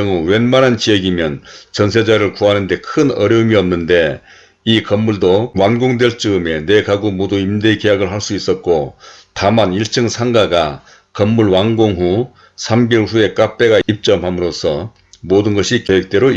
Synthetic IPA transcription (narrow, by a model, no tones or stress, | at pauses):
ŋuwe̞nmanant͡ɕijʌɡimjʌnt͡ɕʌnsʰe̞d͡ʑaɾɯɭkuɦanɯnde̞kʰɯnʌɾjʌɯmiʌmnːɯnde̞ | ikʌmːuɭdowanɡoŋdwe̞ɭt͡ɕ͈ɯme̞ne̞kaɡomodoimdeike̞jaɡɯɭɦaɭs͈uis͈ʌt̚k͈otamaniɭt͡ɕ͈ɯŋsʰaŋɡaɡa | kʌmːuɭwanɡoŋɦu | sʰamɡiɭɸue̞k͈ap͈e̞ɡaip̚t͡ɕ͈ʌmhamɯɾosʰʌ | modɯnɡʌɕʰikjoek̚t͈e̞ɾo